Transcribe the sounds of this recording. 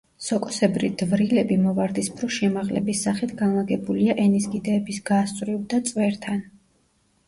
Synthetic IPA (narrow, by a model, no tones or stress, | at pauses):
sɔkʼɔsɛbɾḭd̪̥vɾilɛbimɔvaɾd̪ispʰɾɔʃɛmaʁlɛ̰bisːaχit̪ʰɡanlaɡɛbuliaʔɛnisɡid̪ɛːbisɡ̥aːst̪ʼɾivd̪at̪sʼwɛɾt̪ʰan